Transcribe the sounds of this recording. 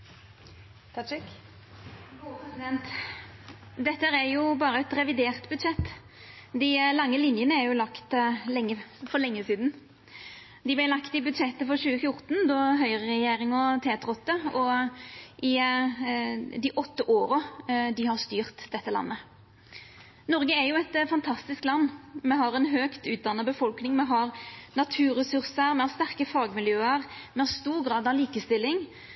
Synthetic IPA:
t̪ʰk | sɪd̪ɛnt̪ | d̪ɛt̪ːəəɾæɾjʊbɑːɾəɛt̪ɾɛʋɪd̪eːʁt̪bʉd̪ʂɛt̪ː | d̪ɪlɑŋːəlɪnjənəæɾjʊlɑkt̪lɛŋːəfɔɾlɛŋːəsiːd̪n̩ | d̪ɪblɪlɑkt̪ɪbʉd̪ʂɛt̪ːəfɔɾɕʉːəfjʊɾt̪n̩d̪ɔɦœʏʁəʁɛjeːɾɪŋɔt̪ʰeːt̪ʰɾɔt̪ːəɔ | ʔɪ | d̪ɪʔɔt̪ːəʔoːɾəd̪ɪhɑɾst̪yːʁt̪d̪ɛt̪ːəlɑ̰nːə | nɔɾɡəɛɾjʊɛt̪fɑnt̪ʰɑst̪ɪsklɑnːmɛɦɑɾɛnɦøːkt̪ʉːt̪̚d̪ɑnːəbəfɔlknɪŋmɛɦɑɾnɑt̪ʰʉːɾɛsʉʁsəɾmɛhɑst̪æʁkəfɑːɡmɪljøːəɾmɛɑst̪uːɾɡɾɑːd̪ɑliːkəst̪ɪlːɪŋ

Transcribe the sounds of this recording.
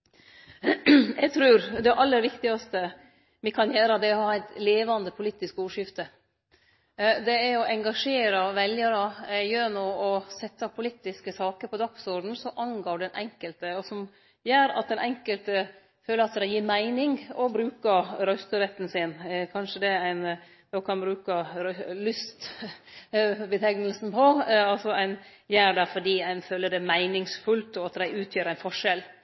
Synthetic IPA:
ʔɛɡ̚t̪ʰɾʉːɾd̪ɛʔɑlːəɾʋɪkt̪ɪɡɑst̪ə | mɪkʰɑnjæːɾəd̪ɛɔhɑːæɪt̪leːʋɑnd̪əpʰʊliːt̪ɪskuːʂɪft̪ə | d̪ɛæɾɔʔɛŋɡɑʂeːɾɑʋɛljəɾɑjøːɾnuːɔsɛt̪ːɑpʰʊliːt̪ɪskəsɑːkəɾpʰɔd̪ɑksɔɾɖn̩sɔʔɑŋɡoːɖɛnɛŋkəlt̪əɔsɔm | jæːɾɑ̰t̪̚d̪ɛnʔɛŋkəlt̪ə | føːlːəɾɑt̪d̪æɪjiːɾmæɪnɪŋɔbɾʉːkəɾœst̪əɾɛt̪ːn̩sɪnkʰɑnʂəd̪ɛæɪn | d̪okʰɑnbɾʉːkəɾlʏst̪ | bət̪ʰɛŋnəlsn̩pʰɔɑlsɔæɪn | jæːɾɖ̪æfɔɖiːæɪnføːləɖɛmæɪnɪŋsfʉlt̪ɔɑt̪d̪æɪʉːt̪ʰjøːɾæɪnfɔʂɛl

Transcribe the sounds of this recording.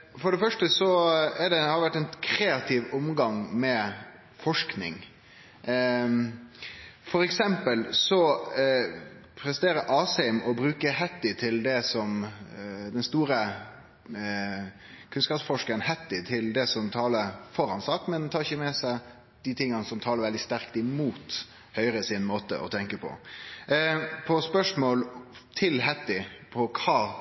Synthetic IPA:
fɔɖɛfœʂʈəsɔɛɖɛhɑɾʋæʈːɛnkʰɾeːɑt̪ʰɪʋʊmɡɑŋmɛ | fɔʂknɪ̰ŋ | fɔɾɛksɛmpəlsɔ | pʰɾɛst̪eːɾəʔɑːsɛmʔɔbɾʉːkəhɛt̪ːɪt̪ʰɪld̪ɛsɔm | d̪ɛnst̪uːɾə | kʰʉnskɑːpsfɔʂkənhɛt̪ːɪt̪ʰɪld̪ɛsɔmt̪ʰɑːləɾfɔɾhɑnsɑːkmɛnt̪ʰɑːɾɪçəmɛsæɪ | d̪̥ɪt̪ʰɪŋːənəsɔmt̪ʰɑːləɾʋɛld̪ɪst̪æʁkt̪ɪmuːt̪ | hœʏɾəsɪnmoːt̪ə̰ʔɔ̰t̪ʰɛŋkəpʰɔ̰ | pʰɔspœʂmoːlt̪ʰɪlɦɛt̪ːɪpʰɔkʰɑː

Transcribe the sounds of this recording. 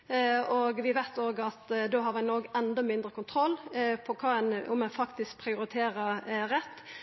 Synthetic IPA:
ɔɡʋɪʋɛt̪ːoːɡɑt̪d̪oːɦɑɾʋænoːɡɛnd̪ɔmɪnd̪ɾəkʊnt̪ʰɾɔlːpʰɔkʰɑːɛnʊ̰mɛnfɑkt̪ɪsk̚pʰɾɪʊɾɪt̪ʰeːɾəɾɛt̪ː

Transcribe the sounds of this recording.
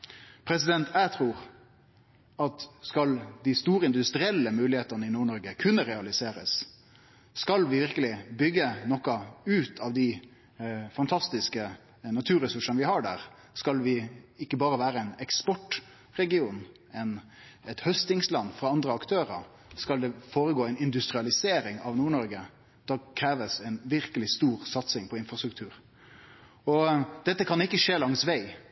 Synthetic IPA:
pʰɾɛs̬ɪd̪ɛnt̪ʰæt̪ʰɾuːɾ | ɑt̪skɑld̪ɪst̪uːɾəɪnd̪ʉst̪ɾɪɛlːəmʉːlɪheːt̪ənəɪnuːɳɔɾɡəkʰʉnːəɾɛɑlɪseːɾə̰sː | kɑlʋɪʋɪɾkəlɪbʏɡːənɔkɑʉːt̪ʰɑʋd̪ɪ | fɑnt̪ʰɑst̪ɪskə | nɑt̪ʰʉːɾɛsʉʂənʋɪhɑɖæ̰ɾ | skɑlʋɪɪkːəbɑːɾəʋæːɾəɛɪnɛkspɔʈ | ɾɛɡɪuːn | ɛn | ɛt̪hœst̪ɪŋslɑnːfɾɑɑnd̪ɾəɑkt̪ʰøːɾəɾ | skɑld̪ɛfoːɾəɡoːɛɪnɪnd̪ʉst̪ɾɪɑlɪseːɾɪŋɑʋnuːɳɔɾɡə | d̪̥ɑkʰɾeːʋəsɛɪnʋɪɾkəlɪst̪uːɾsɑt̪sɪŋpʰɔɪnfɾɑst̪ɾʉk̚t̪ʰʉːɾ | ɔd̪̥ɛt̪ːəkʰɑnɪkːəʂeːlɑŋsʋæɪ

